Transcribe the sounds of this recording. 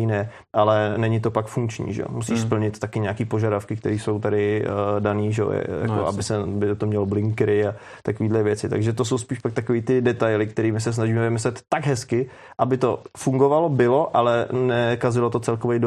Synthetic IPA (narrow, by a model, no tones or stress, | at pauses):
ɪnɛ | ʔalɛnɛɲɪt̪o̞pakfuŋkt͡ʃɲḭːʒɛ̰o̰musiːʃspl̩ɲɪt̪t̪akɪɲɛakiːpo̞ʒadafkɪk̚t̪ɛɾiːso̞wt̪aɾɪdaniːʒɛo̰ɛ̰ja̰koa̰bɪsɛbɪt̪omɲɛloblɪŋkɾɪa | t̪akoviːdlɛvjɛt͡sɪt̪a̰ɡʒɛt̪os̬o̞wspiːʃpak̚t̪akoviːt̪ɪdɛt̪ajlɪkt̪ɛɾiːmɪs̬ɛs̬naʒiːmɛvɪmɪslɛt̪ːaɡɦɛskɪ | ʔabɪt̪o̞fuŋɡovalobɪlo̞ʔalɛnɛkazɪlot̪o̞t͡sɛlkovɛjdo